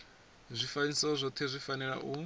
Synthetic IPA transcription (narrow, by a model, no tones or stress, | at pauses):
zʷifanisɔzʷɔt̪ʰɛzʷifanɛɺa̰ʔu